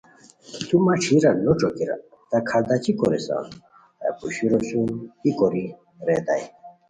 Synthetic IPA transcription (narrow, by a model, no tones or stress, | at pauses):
t̪umaʈ͡ʂʰiɾanoʈ͡ʂokiɾa̰ | t̪akʰad̪at͡ɕikoɾesa̰n | a̰puɕiɾoɕunikoɾi | ɾed̪a̰j